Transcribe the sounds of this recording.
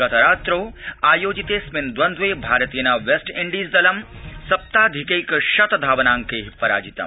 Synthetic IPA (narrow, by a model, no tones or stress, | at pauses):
ɐt̪ɐɾaːt̪ɾoːaːjoːd͡ʒit̪eːsmɪnd̪ʋɐnd̪ʋeːbʱaːɾɐt̪iːjnaːʋesʈɪ̃ɳɖiːsd̪ɐlɐmsɐp̚t̪aːd̪ʱikejkʃɐt̪d̪ʱaːʋɐnãːŋkeːɦipɐɾa̰ːd͡ʒit̪ɐ̰m